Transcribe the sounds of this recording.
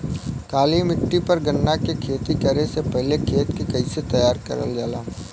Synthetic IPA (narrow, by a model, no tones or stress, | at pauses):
kaːlimɪʈːipɐɾɡɐnːakekʰeːt̪ikəɾesepɛɦlekʰeːt̪kikɐiset̪ɐjaːɾkɐ̰ɾə̰ld͡ʒaːlaː